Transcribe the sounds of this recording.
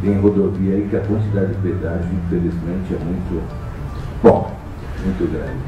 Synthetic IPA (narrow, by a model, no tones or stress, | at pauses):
ẽj̃ɦod̪oviɐikɪɐkwɐ̃nt͡ʃid̪ad͡ʒɪd͡ʒɪped̪aʒʊĩfelizmẽnt͡ʃɪɛmũj̃t̪ʊ | bõ | mũj̃t̪ʊɡɾã̰vɪ